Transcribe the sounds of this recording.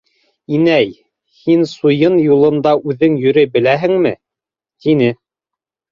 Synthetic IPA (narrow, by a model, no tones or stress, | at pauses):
inæj | hinsujɤnjulˠɤ̆nd̪ɑʔʉðɘŋjɵ̆ɾɘbɘ̆læɦɘŋmɘ | t̪inɘ